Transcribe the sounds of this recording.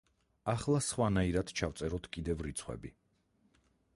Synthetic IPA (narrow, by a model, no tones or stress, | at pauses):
aχlˠasχwanaiɾad̪t͡ʃʰavt̪sʼɛɾɔt̪ʰkʼid̪ɛvɾit̪sʰχwɛ̰bi